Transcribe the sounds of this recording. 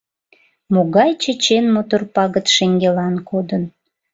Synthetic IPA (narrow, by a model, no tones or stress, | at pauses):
moɣɑjt͡ɕət͡ɕenmot̪orpɑɣət̪ʃeŋɡelɑnkʰod̪ən